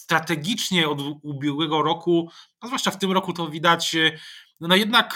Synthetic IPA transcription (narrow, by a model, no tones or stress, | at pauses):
st̪ɾat̪ɛɡʲit͡ʂɲɛɔd̪ubʲjɛɡwɛɡɔɾɔku | azvwaʂt͡ʂaft̪ɘmɾɔkut̪ɔvʲid̪at͡ɕ | nɔjɛd̪nak